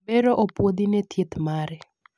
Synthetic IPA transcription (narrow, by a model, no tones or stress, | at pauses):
bɛɾoʔopwod̪inɛt̪jet̪maɾɛ